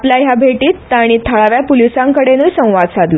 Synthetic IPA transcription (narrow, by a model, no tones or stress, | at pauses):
plaɦjabʱeʈiːt̪ːaɽ̃it̪ʰːəɭaʋjapulisãŋkəɽenusə̃w̃ʋad̪sad̪lu